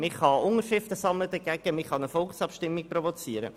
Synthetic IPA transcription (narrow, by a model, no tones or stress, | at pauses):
mɪχɑʊŋəɾʃɪftəsɑmlədəɡ̥ɛɡ̥əmɪχɑnəfɔlˠχsɑpʃtɪmːik̚provot͡siəɾə̰